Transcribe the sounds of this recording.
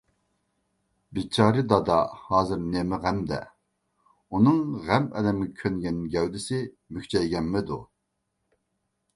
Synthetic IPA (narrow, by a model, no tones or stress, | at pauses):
bit͡ʃʰɑːɾɨd̪ɑd̪ɑ̰hɑːzɨɾnemɪʁæmd̪ɛ̰ | unɨŋʁæmɛ̰d̪ɛmɡʲɛkʲʰønɡʲɛnɪɡʲɛwd̪ɪsɪ | mykʰʲt͡ʃʰɛɪɡʲɛnːɪd̪ṵ